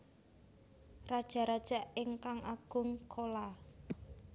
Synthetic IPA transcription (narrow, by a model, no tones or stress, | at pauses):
rad̥ʒ̥a̤ɾad̥ʒ̥a̤ɪŋkaŋaɡ̥ʊŋkʰola